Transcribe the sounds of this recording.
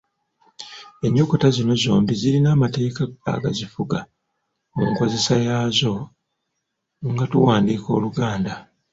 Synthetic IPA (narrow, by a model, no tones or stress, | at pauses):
e̞ɲːo̞ko̞tazino̞zo̰ːmbizilinaːmate̞ːkaɡa̰ːɡazifuɡa | muŋko̞ze̞sajaːzo̞ | ŋɡatuwaːndiːko̞̰ːluɡaːnda